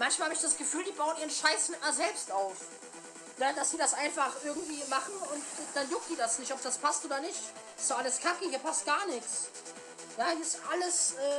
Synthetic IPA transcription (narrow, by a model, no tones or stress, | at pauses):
mançmalhabəɪçd̥asɡ̥əfyːldiːbaʊəniːʁ̞ənʃaɪsmɪt̚miːɐzɛlpstʔaʊf | nəd̥asd̥iːdasʔaɪnfaχʔɪɐɡŋ̩tv̥iːmaχn̩ʊntd̥anjʊk̚d̥iːdasnɪçtɔp̚d̥aspʰastʔoːdɐnɪçt | ɪ̥sz̥oʔaləskʰakəhiːɐpʰast̚ɡ̥aːɐnɪkt͡s | jaːhiɐɪstʔaləsʔɛː